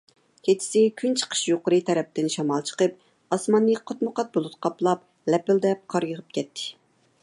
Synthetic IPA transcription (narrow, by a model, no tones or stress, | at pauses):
kʲʰet͡ʃ̪ʰɪ̥sɪkʲʰynt͡ʃʰə̥qʰə̥ʃjoqʊɾɨt̪ʰɛɾɛp̚t̪ɪnʃɑmɑlˠt͡ʃʰə̥qəp̚ | ɑsmɑnːɨqʰɑt̪mʊqɑt̪̚bolˠut̪qʰɑplˠɑp | lɛpɪld̪ɛp̚qʰɑɾjəʁəp̚kʲʰɛt̪ʰːɪ̥